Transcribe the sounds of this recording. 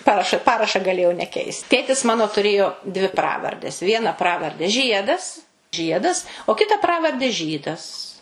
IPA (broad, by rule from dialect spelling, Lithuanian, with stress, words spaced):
ˈpɑːrɐʃɐ ˈpɑːrɐʃɐ ɡɐˈlʲeːjɛʊ nʲɛˈkʲɛɪst ˈtʲeːtʲɪs ˈmɑːnoː tʊˈrʲeːjoː dʲʋʲɪ ˈprɑːʋɐrʲdʲɛs ˈʋʲiɛnɐ ˈprɑːʋɐrʲdʲɛ ˈʒʲiɛdɐs ˈʒʲiɛdɐs oː ˈkʲɪtɐ ˈprɑːʋɐrʲdʲɛ ˈʒʲiːdɐs